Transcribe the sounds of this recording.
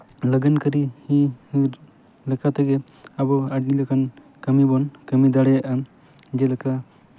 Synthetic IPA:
ləɡənkəɾihi | lɛkat̪aɡɛ | abɔaɖnilakʰan | kəmibɔnkəmid̪aɽɛjaʔa | d͡ʒɛlakʰa

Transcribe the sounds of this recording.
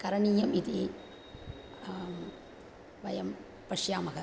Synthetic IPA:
kɐɾɐɳijɐmit̪i | ʋɐjɐm | pɐʂjaːmɐɣɐ

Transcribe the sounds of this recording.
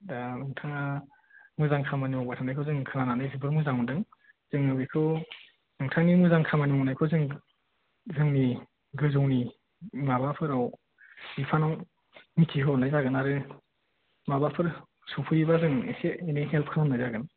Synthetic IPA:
danɯŋtʰaŋa | mɯzaŋkʰamaniɔwbatʰanajkʰɯwzɯŋkʰɯnananɯjzɯbɯɾmɯzaŋundɯŋ | z̥ɯŋɯbikʰɯw | nɯŋtʰaŋnimuzaŋkʰamaniɔŋnajkʰozɯŋ | zɯŋni | ɡɯzowni | mabapʰɯɾaw | ipʰanɔŋ | mitʰiɦʰɯonajzaɡɯnaɾɯ | mabapʰɯɾ | supʰɯjibazɯŋeseejniɦelp̚kʰɯnanajzaɡɯn

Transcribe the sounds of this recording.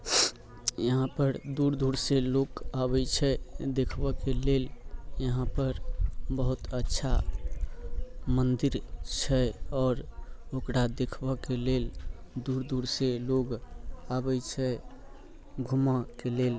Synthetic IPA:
jəɦãpəɾd̪uɾd̪ʱuɾselokabɛt͡ʃʰɛd̪ekʰbɛkeleljəɦãpəɾbəɦut̪ətːʃʰa | mənd̪iɾt͡ʃʰɛɔːɾokɾad̪ekʰbəkeleld̪uɾd̪ʱuɾseloɡabɛt͡ʃʰɛ | ɡʱumãkelel

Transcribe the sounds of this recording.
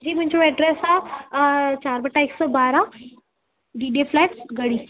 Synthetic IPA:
d͡ʑiːmə̃ɲt͡ɕɔmɛɖɾesa | t͡ɕaɾbəʈːaeksɔbaɾa | ɖiɖeflaʈsɡəɽiː

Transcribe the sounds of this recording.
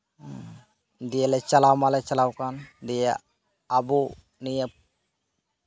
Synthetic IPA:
d̪ijɛlɛt͡ʃalawmalɛt͡ʃalawkand̪ija | abu | nijə

